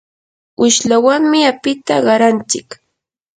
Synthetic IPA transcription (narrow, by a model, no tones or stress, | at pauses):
ʊʃlawaŋmɪapɪt̪aɢɑɾant͡ʃɪk